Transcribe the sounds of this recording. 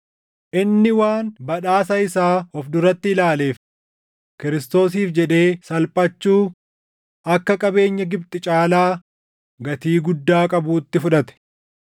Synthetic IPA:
ʔɪnːɪwaːnbɐᶑaːsɐɪsaːɔfd̪ʊɾɐt̪ːɪɪlaːle̞ːf | kɪɾɪst̪o̞ːs̬iːfd͡ʒɛᶑe̞ːsɐlpʼɐt͡ʃːuː | ʔɐkːɐkʼɐbe̞ːɲːɐɡɪbt̪ʼɪt͡ʃʼaːlaː | ɡɐt̪iːɡʊd̪ːaːkʼɐbuːt̪ːɪfʊᶑɐt̪ɛ̥

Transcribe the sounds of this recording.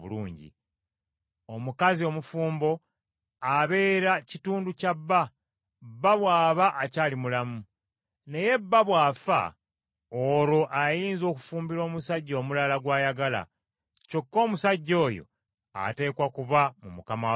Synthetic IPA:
βṵluːɲɟḭ | omukazio̞mufuːmbo̞ | aβe̞ːɾacituːnducabːa | bːaβwaːβaʔːcaːlimulamu | ne̞je̞bːaβwaːfa̰ | olo̞ʔajiːnzo̞ːku̥fuːmbiɾo̞ːmusaɟːo̞ːmulalaɡwaːjaɡala̰ | co̞kːo̞ːmusaɟːo̞ːjo̰ | a̰te̞ːkwakuβamumukama

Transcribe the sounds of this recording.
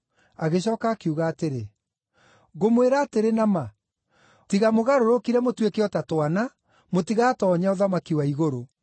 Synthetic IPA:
aɣeɕɔkaːkeuɣaːteɾe | ɣomweɾaːteɾenama | tiɣamoɣaɾoɾokiɾɛmotwekeɔtatwana | motiɣatɔːɲaoðamakiwaiɣoɾo

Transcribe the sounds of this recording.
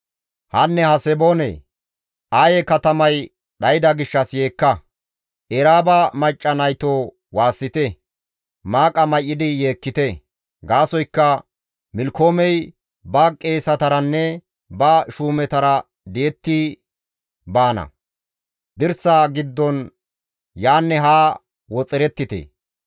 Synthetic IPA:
hɐnːɛhɐsɛboːnḛ | ʔajɛkɐt̪ɐmɐj | ɗɐjɪd̪ɐɡɪʃːɐsje̞ːkːɐ | ʔɛɾaːbɐmɐt͡ʃʼːɐnɐjt̪oː | waːsːɪt̪ɛ | maːkʼɐmɐjːɪd̪ɪje̞ːkːɪt̪ɛ | ɡaːsɔjkːɐ | mɪlkʰoːmɛj | bɐkʼe̞ːsɐt̪ɐɾɐnːɛ | bɐʃuːmɛt̪ɐɾɐ | d̪ɪjɛt̪ːɪ | baːnɐ̰ | d̪ɪɾsaɡɪd̪ːɔn | jaːnːɛɦaː | wɔt͡sʼɪɾɛt̪ːɪt̪ḛː

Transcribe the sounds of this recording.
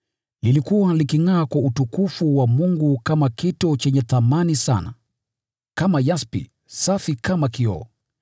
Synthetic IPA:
lilikuwalikiŋaːkwautukufuwamuŋɡukamakitɔt͡ʃɛɲɛθamanisa̰na̰ | kamajaspḭ | safikamakiɔ̰ː

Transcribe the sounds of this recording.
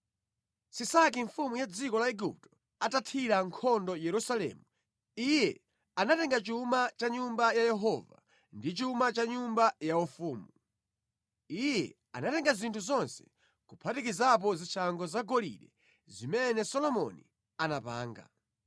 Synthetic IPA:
sisakiɱfumujad͡zikɔlaɛɡup̚tɔ̥ | atatʰiɾaŋkʰɔndɔjɛɾusalɛ̰ːmu | ijɛ | anatɛŋɡat͡ʃumat͡ʃaɲumbajajɛɦɔva̰ | ndit͡ʃumat͡ʃaɲumbajaufuːmu | ijɛ̰ | anatɛŋɡazintʰuzɔnsɛ̥ | kupʰatikizap̬ɔzit͡ʃʰaŋɡɔzaɡɔlḭɗɛ | zimɛnɛsɔlɔmɔ̰ni | anapa̰ːŋɡa̰

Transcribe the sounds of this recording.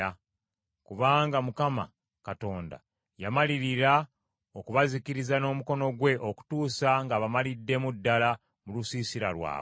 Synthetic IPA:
a | kuβaːŋɡamukama̰ | kato̞ːnda̰ | jamaliɾiɾa | okuβazikiɾizano̞ːmuko̞no̞ɡwe̞ʔoku̥tuːsaŋɡaβamalidːe̞mudːala | mulusiːsiɾa̰lwa̰ː

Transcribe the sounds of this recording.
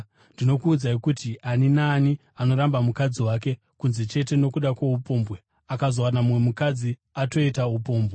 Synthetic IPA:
ndino̞kuːd͡zaikutiʔaninaːni | ano̞ɾambamukad͡ziwak̬e̞ | kunzet͡ʃe̞te̞no̞kuɗakweupo̞ːmbwe | akazo̞wanamŋwe̞mukad͡zi | ato̞itaupo̞ːmbʱɣe

